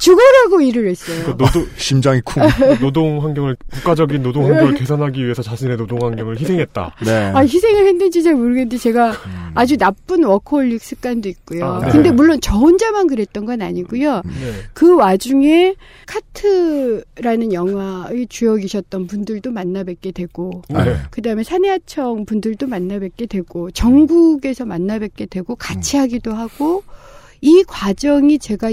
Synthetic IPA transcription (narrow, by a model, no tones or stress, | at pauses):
t͡ɕuɡʌɾɦaɡoiɾɯɾwe̞s͈ʌjoɕimd͡ʑaŋikʰunodoŋɦaŋɡjʌŋɯɭkukk͈ad͡ʑʌɡinːodoŋɦwaŋjʌŋɭke̞sʰanɦaɡiɥie̞sʰʌt͡ɕaɕʰine̞nodoŋɦwaŋɡjʌŋɯɭçisʰe̞ŋɦe̞t̚t͈a̰naçisʰe̞ŋɯɭhendɯnd͡ʑit͡ɕamoɾɯɡendet͡ɕe̞ɡaːd͡ʑunap͈ɯnwʌkʰoɭːik̚s͈ɯk͈andoik̚k͈ujokɯnde̞muɭːont͡ɕʌund͡ʑamankɯɾe̞t̚t͈ʌnɡʌnaɲiɡujokɯwad͡ʑuŋe̞ | kʰatʰɯɾanɯnjʌŋɦwaet͡ɕujʌɡiɕʰʌt̚t͈ʌnpundɯɭdomanːabek͈e̞dwe̞ɡ̥okɯdaɯme̞sʰaneat͡ɕʰʌŋpundɯɭdomanːabet̚k͈e̞dwe̞ɡ̥ot͡ɕʌŋɡuɡe̞sʰʌmanːabek͈e̞dwe̞ɡokat͡ɕʰiɦaɡidoɦaɡ̥o | ikwad͡ʑʌŋit͡ɕe̞ɡa